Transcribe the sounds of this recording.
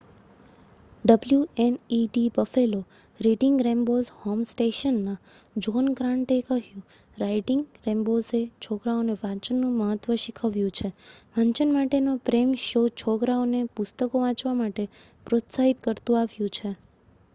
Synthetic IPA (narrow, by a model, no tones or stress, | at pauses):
ɖəbljueniɖibəfelo | ɾiʈɪŋɡɾẽmbozhɔmsʈeʃənːa | d͡ʒɔnɡɾãɳʈekəɦjũ | ɾaiʈɪŋɡɾẽmboset͡ʃʰokɾaoneʋãɲt͡ʃənːũməɦət̪ʋəʃikʰəʋjũt͡ʃʰeʋãɲt͡ʃənmaʈenopɾemʃot͡ʃʰokɾaonepʊst̪əkoʋãt͡ʃʋamaʈe | pɾot̪saɦit̪kəɾt̪ũaʋjũt͡ʃʰe